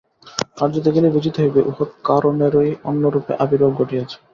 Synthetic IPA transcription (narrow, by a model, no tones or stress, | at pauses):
kaɾd͡ʑot̪eɡelebid͡ʑit̪oɦojbeʔuxot̪̚kaɾʔomeɾoionːoɾupḛʔabiɾoɡɡʱoʈiat͡ɕʰe̥